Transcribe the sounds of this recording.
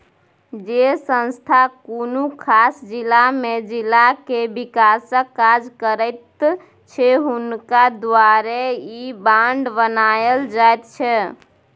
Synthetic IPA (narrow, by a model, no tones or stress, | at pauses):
d͡ʒesə̃nst̪ʰakonukʰasd͡ʒilːamed͡ʒilːakebikasə̃kːad͡ʒkəɾət̪ | t͡ʃʰeɦunkad̪waɾeibaɳɖbənajəld͡ʒajt̪t͡ʃʰɛ